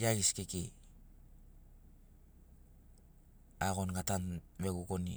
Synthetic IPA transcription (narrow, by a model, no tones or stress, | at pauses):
jaɡiskeke | aɣo̞nɡatanmeɡukonḭ